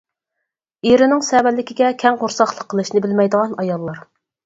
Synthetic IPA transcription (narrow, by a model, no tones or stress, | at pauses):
iɾɪnɪŋsɛwɛlːɪkʲiɡʲɛkʲʰɛŋʁoɾsɑχlˠəqʰːəlˠɨʃnɪbɪlmɛjd̪əʁɑnɑjɑlˠːɑɾ